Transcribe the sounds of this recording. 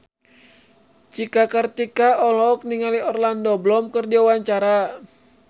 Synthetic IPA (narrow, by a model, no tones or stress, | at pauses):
t͡ʃikakərt̪ikaɔlɔk̚niŋaliɔrlandɔblɔmkɨrdiawaɲt͡ʃaɾa